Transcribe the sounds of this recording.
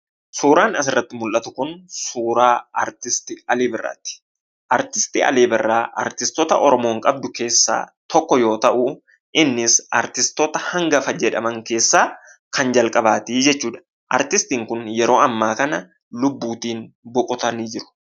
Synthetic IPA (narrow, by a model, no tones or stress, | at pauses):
suːɾaːnɐsɪrːɐt̪ːɪmʊlʔɐt̪ʊkʊnsuːɾaːɐɾt̪ɪst̪ɪɐleːbɪrːa̰ːt̪ːɪ̥ | ʔɐɾt̪ɪst̪ḭɐ̰leːbɪrːaːʔɐ̰ɾt̪ɪst̪ɔt̪ɐʔɔɾɔmo̞ːŋkʼɐb̚d̪ʊke̞ːsːa̰ːt̪ɔkːɔjo̞ːt̪ɐʔʊ | ʔɪnːɪsɐ̰ɾt̪ɪst̪ɔt̪ɐhɐŋɡɐfɐd͡ʒɛᶑɐmɐŋke̞ːsːaː | kɐnd͡ʒɐlkʼɐbaːt̪iːd͡ʒɛt͡ʃːuːᶑɐ̥ | ʔɐ̰ɾt̪ɪst̪iːŋkʊnjɛɾo̞ːɐmːaːkɐnɐ | lʊbːuːt̪iːnbɔkʼʊt̪ɐniːd͡ʒɪɾʊ̥